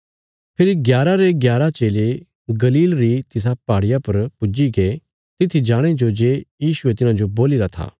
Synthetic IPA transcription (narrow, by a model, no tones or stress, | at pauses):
pʰɪɾiɡjaːɾaɾeɡjaːɾat͡ʃeːle | ɡɐliːlɾit̪ɪs̬apaːɽɪjapɐɾpʊd͡ʒiɡeː | t̪ɪt̪ʰːid͡ʒaːɽ̃ed͡ʒod͡ʒeːjiːsʊet̪ɪnãd͡ʒoboːlɪɾat̪ʰa̰ː